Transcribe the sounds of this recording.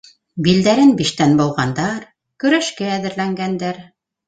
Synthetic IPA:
bild̪æɾɘnbiʃt̪ænbŏw̪ˠʁɑnd̪ɑɾ | kɵ̆ɾæʃkæːðɘ̆ɾlæŋɡænd̪æɾ

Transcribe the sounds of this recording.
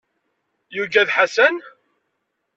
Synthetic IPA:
juʝæðħasæn

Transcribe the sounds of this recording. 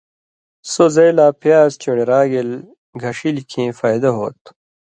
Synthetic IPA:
sozɐjlaːpjaːzt͡ɕoɽeɾaːɡil | ɡʱɐʂilikʰẽːfaːjd̪ɐɦoːt̪

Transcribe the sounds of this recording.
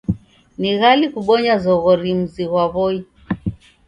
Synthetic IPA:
niɣalikuɓɔɲazɔɣɔɾim̩ziɣwaβɔi

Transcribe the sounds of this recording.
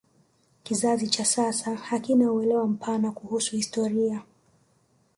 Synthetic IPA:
kizazit͡ʃasasahakinauɛlɛwam̩pʰanakuhusuhistɔɾia

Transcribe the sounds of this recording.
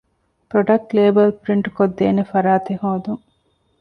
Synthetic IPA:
pɾoɖɐk̚ʈleːbɐlpɾiɳʈkod̪ːeːnefɐɾaːt̪ehoːd̪uŋ

